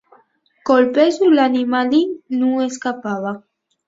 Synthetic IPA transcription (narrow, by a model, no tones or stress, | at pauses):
kolpezulanimalinueskapaβa